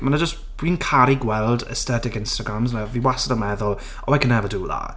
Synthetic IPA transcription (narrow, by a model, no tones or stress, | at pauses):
manad͡ʒəstwiːnkʰaɾiɡwɛlˠdə̰stɛtɪkɪnstaɡɾamznaviːwasədəmɛðʊlˠ | ɔakʰənɛvəduːða̰